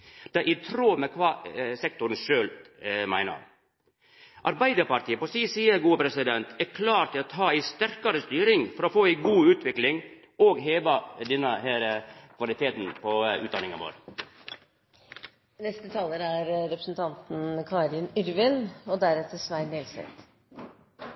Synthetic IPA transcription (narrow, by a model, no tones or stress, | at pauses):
d̪̥ɛʔɪt̪ʰɾoːmɛkʰʋɑːsɛk̚t̪ʊɾn̩ʂøːlmæ̰ɪnə̰m | ʔɑɾbæɪd̪əɾpɑɾʈt̪iːəpɔsiːsiːəɾɡuːəpʰɾɛsɪd̪ɛnt̪ʰækʰlɑːɾt̪ɪlɑt̪ɦɑːæɪst̪æɾkɑɾəst̪yːɾɪŋfɔɾɔfoːæɪɡuːʉːt̪ʋɪklɪŋ | oːɡɦeːʋɑd̪ɛnːəhæːɾəkʰʋɑlɪt̪ʰeːt̪n̩pʰɔʉːt̪̚d̪ɑnɪŋɑ̰ʋo̰ːɾ | nɛst̪ət̪ʰɑːləɾæɾɾɛpɾəsn̩t̪ʰɑnt̪n̩kʰɑɾɪnʏɾʋɪnɔd̪æɾɛt̪əsʋæɪnelsɛ̰t̪